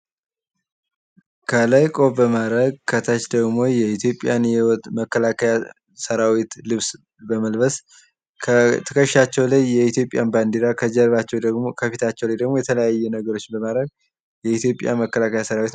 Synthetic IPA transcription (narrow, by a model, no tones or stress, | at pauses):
kʰəlajkʼo̞bəmaɾəɡkʰət̪ʰət͡ʃd̪əɡmo̞jɛit̪ʰjo̞pʼːjanjɛwt̪ʼməkːəlakʰəja | səɾawit̪lɨβs | bəməlbəs | kʰt̪ʰəkʰəʃːat͡ʃːɛwlajːɛit̪jo̞pʼːjanband̪eɾakʰəd͡ʒəɾβat͡ʃːɛwkʰəfit̪ʰat͡ʃːɛwlajd̪əɡmo̞jɛt̪ʰələjajːɛnəɡəɾo̞t͡ʃːɪbəmad̪ɾəɡ̚ | jɛit̪jo̞pʼja̰məkːəlakʰəjasəɾawit̪